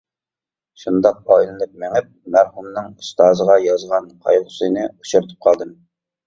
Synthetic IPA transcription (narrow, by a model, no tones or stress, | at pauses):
ʃund̪ɑq̚ɑilˠɨlˠɨk̚mɪŋɪp̚mæɾhumnɨŋust̪ɑːzəʁɑjɑzʁɑnqʰɑ̰jʁʊsɨnɨut͡ʃʰuɾt̪ʰɨ̥p̚qʰɑlˠd̪ɨm